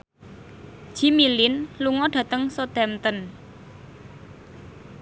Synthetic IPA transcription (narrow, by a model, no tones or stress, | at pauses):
ʒ̥i̤milɪnluŋɔɖ̪̥ä̤t̪əŋsod̪̥ɛmt̪ən